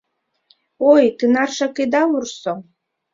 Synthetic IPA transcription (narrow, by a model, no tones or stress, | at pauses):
ojt̪ɨnɑrʃɑked̪ɑurso